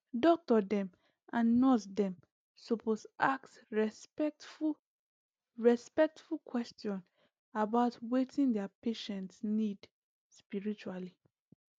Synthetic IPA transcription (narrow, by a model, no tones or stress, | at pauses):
dɔk̚tɔdɛ̃m | ãnːɔsdɛ̃m | soposaks | ɹɛspu | ɹɛspɛk̚tfulkʰwɛstjɔ̃n | abaʊtwetʰĩndɛapeʃɛ̃ntsnid | spiɹit͡ʃuali